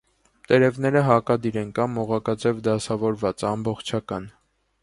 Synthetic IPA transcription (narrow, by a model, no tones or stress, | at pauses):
t̪ɛɾɛvnɛɾəɦɑkɑd̪iɾɛnkɑmɔʁɑkɑt͡sɛvd̪ɑsɑvɔɾvɑt͡sɑmbɔχt͡ʃʰɑkɑn